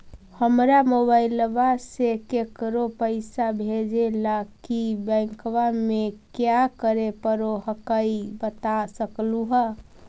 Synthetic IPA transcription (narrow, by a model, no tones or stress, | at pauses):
həmɾamobaɪlʋasekekəɾopəɪsabʱed͡ʒelakibə̃ŋkʋamekjakəɾepəɾoɦəkəibət̪asəkluɦə